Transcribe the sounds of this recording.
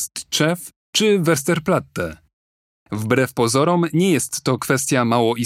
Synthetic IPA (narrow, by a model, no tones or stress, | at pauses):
t̪t͡ʂɛf | t͡ʂɘvɛɾs̬t̪ɛɾplat̪ːɛ | vbɾɛfpɔzɔɾɔmɲɛjɛst̪ːɔkfɛst̪ʲjamawɔʔi